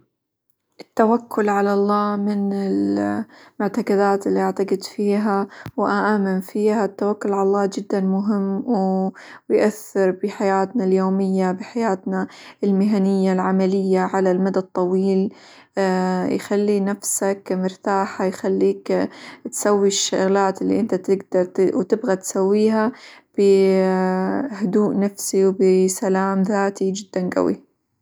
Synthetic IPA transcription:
ʔɪt̪ːawakʰːʊlʕalɑlˤːɑːmɪnɪl | mʊʕt̪aqɑd̪aːt̪ɪlːiʔaʕt̪aqɪd̪fiːɦawʔaʔaːmanfiːhat̪ːawakːʊlʕalɑlˤːɑːd͡ʒɪd̪ːanmʊɦɪmːwɪjʔaθːɪɾbɪħajaːt̪naljoːmɪjːabɪħajaːt̪naɪlmɪɦanɪjːalʕamalɪjːaʕalalmad̪at̪ˤːɑwiːl | jxalːinafsakmɪɾt̪aːħajxalːiːkt̪sawːiʃːaɣlaːt̪ɪlːḭʔɪnt̪at̪ɪɡd̪ɑɾˤwt̪ɪbɣat̪sawːiːɦab̥ɪ | hʊd̪uːʔnafsiwbɪsalaːmðaːt̪id͡ʒɪd̪ːanɡa̰wḭ

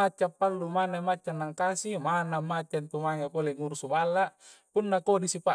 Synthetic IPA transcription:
at͡ʃːapːalːumanamat͡ʃːanːaŋkasimanamːat͡ʃːant̪umaŋepoleŋuɾusubalːa | punːakodisipa

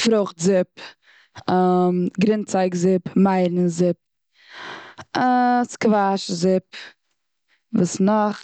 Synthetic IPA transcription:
fɾʊχtzɪp | mɡɾɪnt͡saɪkzɪpmaɪɾn̩zɪp̚ | skvaʃzɪp̚ | vuːsnɔχ

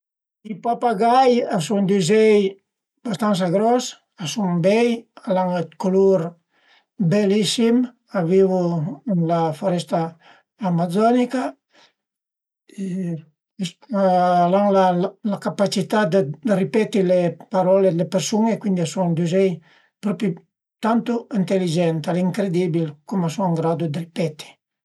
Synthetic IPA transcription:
ipapaɡajasund̪yzɛj | b̥ast̪ans̬aɡɾɔs | asuŋbɛjalaŋekoluɾ | belisim | avivunlafoɾɛst̪aː | mazɔnika | e | s | alaŋlalakapat͡ʃit̪ad̪əd̪ripɛt̪ilepaɾɔled̪lepeɾsuŋekwind̪iasuŋd̪uzɛj | pɾɔpi | t̪ant̪uint̪elid͡ʒɛnt̪aleiŋkɾed̪ibilkumasuŋaŋɡɾad̪ud̪əripɛt̪i̥

